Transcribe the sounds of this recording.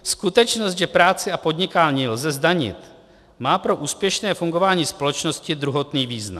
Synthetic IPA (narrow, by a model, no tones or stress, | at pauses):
skut̪ɛt͡ʃnost̪ʒɛpɾaːt͡sɪapo̞d̪ɲɪkaːlɲilzɛzdaɲɪ̰t̪ | maːpɾo̞ʔuːspjɛʃnɛːfuŋɡo̞vaːɲiːspo̞ɛt͡ʃno̞scɪd̪ɾuɦo̞t̪niːviːzna̰